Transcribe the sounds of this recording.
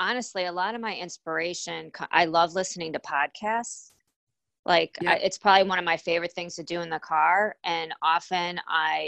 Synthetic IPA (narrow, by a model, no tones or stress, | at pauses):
ɑnɨstˡliəlɔɾʌvmaɪɪ̃nspə˞eɪʃɨ̃nkʰʌ̃ʔa̰ɪlʌvlɪsnɪ̃ŋtʰɨpʰɑd̚kʰæsts | lʔaɪka̰ɪʔɨtspʰɹ̥ɑbəbliwʌ̃nʌvmaɪfeɪvə˞ɨt̪̚θɪ̃ŋz̥tʰɨdɨɨ̃nðəkʰɑɹʔɨ̃nɑfɨ̃na̰ɪ